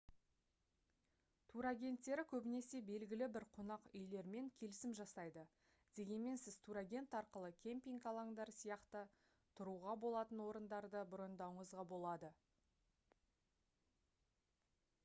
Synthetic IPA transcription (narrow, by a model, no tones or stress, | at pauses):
t̪ʰuɾaɡʲe̞nt̪ːe̞ɾɪkʲʰɵbɪne̞se̞be̞lɡʲɪlɪbɪɾqʰʊnɑqʏjle̞ɾme̞ŋkʲʰe̞lɪsɪmʒɑsɑjd̪ə | d̪̥e̞ɡʲe̞nme̞nsɪz̥t̪ʰuɾaɡʲe̞nt̪ɑɾqəlˠəkʲʰe̞mpʲiŋkɑlˠɑŋd̪ɑɾsijɑqt̪ə | t̪ʰʊɾuʁɑbo̞lˠɑt̪ənwo̞ɾənd̪ɑɾd̪əbʊɾənd̪ɑwəɴəzʁɑbo̞lˠɑd̪ə